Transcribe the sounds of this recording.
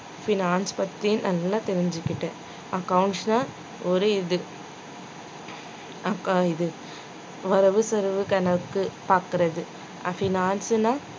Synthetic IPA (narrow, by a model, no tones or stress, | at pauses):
fɪnaːnspɐt̪ːijʊ̃nʔɐlːãːt̪ɛɾɪɲd͡ʒɯkːɪʈːẽː | ɐkɐwʊɳʈsnãː | ɔɾɯɪðɯ | ɐkaɪðɯ | ʋɐɾɐʋɯsɐɾɯʋɯkɐnɐɯkːɯpaːkɯɾɐðɯ | a̰fɪnaːnsɯnãː